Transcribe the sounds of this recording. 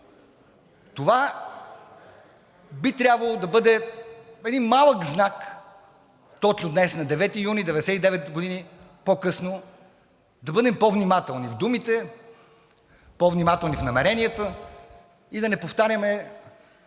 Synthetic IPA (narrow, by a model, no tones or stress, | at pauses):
t̪ova | bit̪ɾʲabvɐlˠod̪ɐbɤd̪ɛɛd̪inmalˠəkznak | t̪ɔt͡ʃnʊd̪nɛsnɐd̪ɛvɛt̪ijunid̪ɛvɛd̪ɛsɛt̪id̪ɛvɛt̪ɡod̪ini | pokɤsno | d̪ɐbɤd̪ɛmpɔvnimat̪ɛlˠnivd̪umit̪ɛ | pɔvnimat̪ɛlˠnifnɐmɛɾɛnijət̪ə | id̪ɐnɛpoft̪aɾʲəmɛ